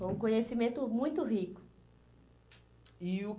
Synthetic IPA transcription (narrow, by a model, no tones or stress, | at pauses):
ojũkõɲesimẽnt̪ʊmũj̃t̪ʊɦikʊ̥ | iʊ